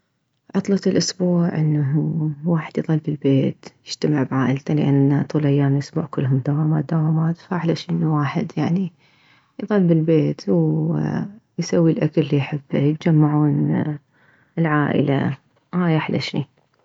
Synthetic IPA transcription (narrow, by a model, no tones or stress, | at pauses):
ʕɑt̪ˤlɑt̪ɪlʔʊsbuːʕʔɪnːaɦuwaːħɪd̪jðˤɑlːbɪlbeːt̪jɪd͡ʒ̥t̪amɪʕbʕaːʔɪlt̪alɪʔanːat̪ˤuːlʔajːaːməlʔʊsbṵːʕkʊlːhʊmd̪awaːmaːt̪̚d̪awaːmaːt̪faʔħlaʃʔɪnːuwaːħɪd̪jaʕni | jðˤɑlːbɪlbeːt̪w | jsawːilʔakalːijħɪbːajɪt̪̚d͡ʒamːaʕuːn | lʕaːʔɪ̰la̰ | ʔaːjʔaħla̰ʃḭ